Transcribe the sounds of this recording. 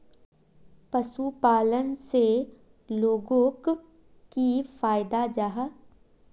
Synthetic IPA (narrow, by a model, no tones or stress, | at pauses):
pəsupaːlənse | loːɡõk | kifaːɪd̪ad͡ʒaɦa